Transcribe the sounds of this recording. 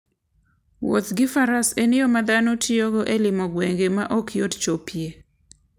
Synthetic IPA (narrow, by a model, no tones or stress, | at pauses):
wo̰t̪ɡɪfaɾasenɪjomad̪anotʰɪoɡoʔelɪmɔɡweŋɡemaʔɔkjott͡ʃopʰje